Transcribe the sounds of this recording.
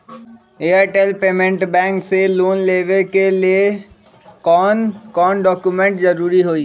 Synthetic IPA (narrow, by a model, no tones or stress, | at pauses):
eːəːɾʈeːlpeːmẽɳʈbɛ̃ːŋkseloːnleːʋekelie | kɔːnkɔːnɖɔːkjumẽɳʈzɐɾuːɾiɦoːiː